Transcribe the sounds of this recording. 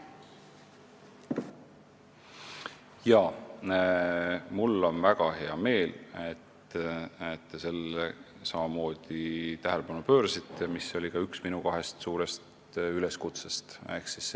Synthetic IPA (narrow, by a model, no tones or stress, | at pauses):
jɑː | mulːo̞nvæɡ̥ɑhe̞ɑme̞ːlet̪ | et̪ːe̞se̞le | sɑmɑmo̞ːd̪̥it̪æɦe̞lepɑnupø̞ːɾɑsit̪ːˑemiso̞lʲikɑyksminukɑɦe̞st̪suːɾe̞st̪ | yle̞skut̪sest̪e̞ksis